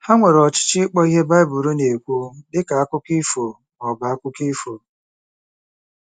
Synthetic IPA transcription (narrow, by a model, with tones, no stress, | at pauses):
ha˦ŋʷe˨ɾɔ˨t͡ʃɪ̥˦t͡ʃɪ˦k͡pɔ˦i˦ɦe˦ba˦ɪ˦bʊ˨ɾu˦ne˨kʷu˦dɪ˦ka˨a˦kʊ˦ki˦fo˨ | ɔ˨ba˨a˦kʷʊ˦ki˦fo˨